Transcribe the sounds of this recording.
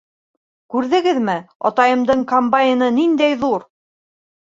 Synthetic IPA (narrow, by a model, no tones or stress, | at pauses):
kʉɾðɘ̆ɡɘðmɘɑ̰t̪ɑjɤ̆md̪ɤɴkombajɪnɤnind̪æjðuɾ